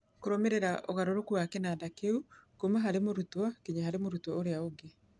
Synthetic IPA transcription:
koɾomeɾeɾaʔoɣaɾoɾokuakɛnadakeukomeɦaɾemoɾutwɔkeɲeɦaɾemoɾutwɔoɾeaoɡe

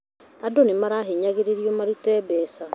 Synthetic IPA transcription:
adonemaɾaːɦeɲaɣeɾeɾiɔmaɾutɛːbɛːsa

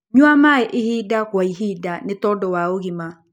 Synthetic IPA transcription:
ɲwamaɛʔehiːdaɣwaiɦiːdanetɔːdɔwaoɣima

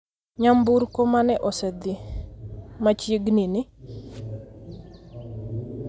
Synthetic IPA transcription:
ɲambuɾkomanɛʔɔsɛd̪i | mat͡ʃiɡnini

